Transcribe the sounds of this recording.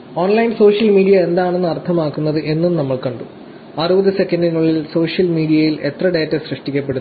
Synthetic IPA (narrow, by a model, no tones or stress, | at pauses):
oːnlɐjnso̞ːʂjɐlmiːɖijɐe̞nd̪aːɳenːɨɐrt̪ʰɐmaːkːunːɐðɨʔe̞nːumnɐmːɐɭkɐɳɖu | ɐrubɐðɨse̞kːɐndiŋːɐɭːilso̞ːʂjɐlmiːɖijɐjile̞t̪rɐɖeːtːɐɕrɨʂʈikʲːɐp̬ːe̞ɽunː